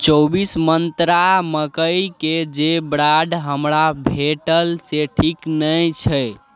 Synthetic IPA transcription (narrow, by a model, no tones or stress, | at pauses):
t͡ʃɔbismənt̪ɾaməkəjked͡ʒebɾaɖɦəmɾabʱeʈəlseʈʰiknəjt͡ʃʰə